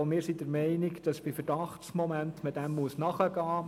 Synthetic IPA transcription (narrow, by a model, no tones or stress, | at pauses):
mɪːɾsidəɾmɛɪnɪkd̥ɑsb̥ɪfəɾd̥ɑχtsmɔmæntmɪtd̥æmːuəsnɑχəɡɑː